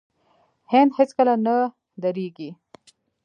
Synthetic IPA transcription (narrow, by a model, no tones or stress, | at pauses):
hɪnd̪hɪt͡skəlana | d̪aɾeɡi